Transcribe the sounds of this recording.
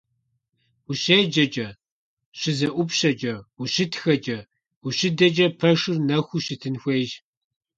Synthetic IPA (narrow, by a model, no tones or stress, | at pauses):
uɕeːd͡ʒɐd͡ʒʼɐ | ɕɪzɐʔʷʊpɕɐd͡ʒɐuɕɪtxɐd͡ʒɐ | uɕɪdɐd͡ʒɐpʰɐʂɨrnɐxʷuɕɪtʰɨnxʷeːjʒ